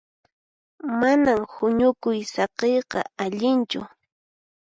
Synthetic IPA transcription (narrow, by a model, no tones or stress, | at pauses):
manamhʊɲʊkʊjsɑqejqɑ̰aʎɪnt͡ʃʊ̰